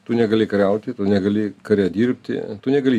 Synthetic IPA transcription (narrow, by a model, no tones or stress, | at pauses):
t̪ʊnʲɛɡɐlʲɪkɐɾʲɛʊt̪ʲɪt̪ʊnʲɛɡɐlʲɪkɐɾʲɛd̪ʲiːɾʲpʲt̪ʲɪ̰t̪ʊnʲɛɡɐlʲiː